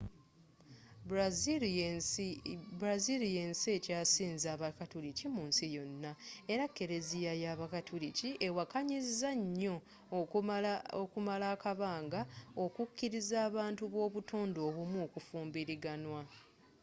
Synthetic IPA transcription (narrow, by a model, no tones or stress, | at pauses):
bɾazilijensiecaːsiːnzaːβakatulicimuːnsijo̞nːae̞ɾakːe̞ɾe̞zijajaːβakatʰuliciʔe̞wakaɲizzaɲːo̞ | okumalaːkaβaːŋɡaokukːiɾizaːβaːntuβwo̞ːβutoːndo̞ːβumwuokufuːmbiɾiɡanwa